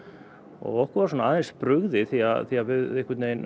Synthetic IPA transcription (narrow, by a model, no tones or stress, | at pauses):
ɔ̰ɣɔhkʏɾvaɾs̬ɔnaaːðenspɾʏɣðɪθiaθiavɪðɪhkvʏt̪neːjn